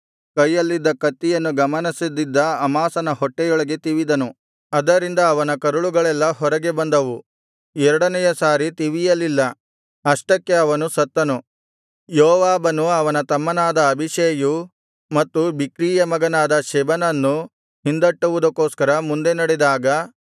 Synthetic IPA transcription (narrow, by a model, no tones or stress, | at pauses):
kɐjːɐlːid̪ːɐkɐt̪ːijɐnːuɡɐmɐnisid̪id̪ːɐɐmaːsɐnɐɦɔʈːɛjɔɭɐɡe̞t̪iʋid̪ɐnu | ɐd̪ɐɾind̪ɐːʋɐnɐkɐɾuɭuɡɐɭɛlːɐɦɔɾɐɡe̞bɐnd̪ɐʋu | ɛɾɐɽɐnɛjɐsaːɾit̪iʋijɐlːilːɐ | ɐʂʈɐkːe̞ɐʋɐnusɐt̪ːɐnu | jɔːʋaːbɐnuɐʋɐnɐt̪ɐmːɐnaːd̪ɐːbʱiʃeːju | mɐt̪ːubikɾiːjɐmɐɡɐnaːd̪ɐʃɛbɐnɐnːu | hind̪ɐʈːuʋud̪ɐkːoːskɐɾɐmund̪e̞nɐɽid̪aːɡɐ